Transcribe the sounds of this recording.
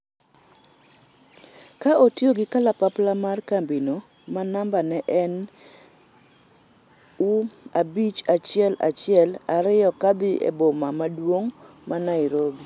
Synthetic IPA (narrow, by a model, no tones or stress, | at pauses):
kaʔotjoɡɪkalapaplamarkambino | manambanɛʔɛn | uabit͡ʃat͡ʃɪɛla̰t͡ʃɪɛlaɾɪjɔkabɪʔḛbomamadwoŋ | manaiɾobi